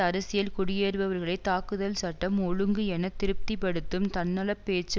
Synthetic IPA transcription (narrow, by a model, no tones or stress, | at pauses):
ɐɾɐsɪjɐlkʊɽɪjeːɾʋɐʋɐɾɣɐɭɐɪt̪ːaːkɯðɐlsɐʈːɐmɔɻɯŋɡɯɛnɐt̪ɪɾɯp̚t̪ipɐɽɯt̪ːɯmt̪ɐnːɐlɐpːeːt͡ʃː